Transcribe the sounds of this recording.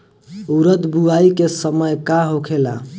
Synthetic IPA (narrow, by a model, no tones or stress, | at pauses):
uɾət̪buaikesəməjkaɦokʰela̰